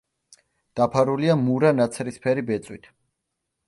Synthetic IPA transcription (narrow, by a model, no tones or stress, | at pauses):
d̪̥apʰaɾuliamuɾanat̪sʰɾispʰɛɾibɛt̪sʼwit̪ʰ